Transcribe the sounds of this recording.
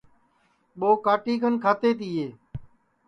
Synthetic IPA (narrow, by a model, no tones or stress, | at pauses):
ɓoːkaːʈiːkənkʰaːt̪eːt̪iːɦeː